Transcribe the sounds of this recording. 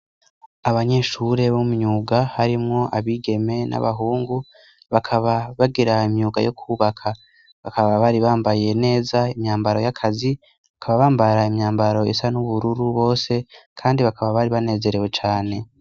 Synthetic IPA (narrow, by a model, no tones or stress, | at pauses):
aβaɲe̞ʃuɾe̞βumɲuːɡahaɾimŋo̞ʔaβiːɡe̞me̞nʔa̰βaɦuːŋɡu | βakʰaβaβaɡiɾaimɲuːɡa̰jo̞kʰuːβakʰa | βakaβaβaɾiβaːmbaje̞ne̞ːzaimɲaːmbaɾo̞jakʰazi | βakʰaβaβaːmbaɾaimɲaːmbaɾo̞isanuβuɾuɾuβo̞ːse̞kʰaːndiβakʰaβaβaɾiβane̞ːze̞ɾewe̞t͡ʃaːne̞